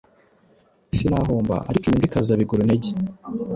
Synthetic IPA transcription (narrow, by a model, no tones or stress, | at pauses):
sinaɦoːmba̰a̰ɾikimiŋɡikazaβiɡoɾoneɟe